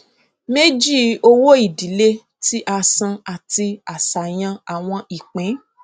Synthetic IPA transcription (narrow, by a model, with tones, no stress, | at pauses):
me˦d͡ʒi˦˨o˧wo˦i˦˨di˨˦le˦ | ti˦ʔa˧sã˧a˨ti˧a˨sa˨j̃ã˧a˨w̃ɔ̃˧i˨k͡pẽ˨˦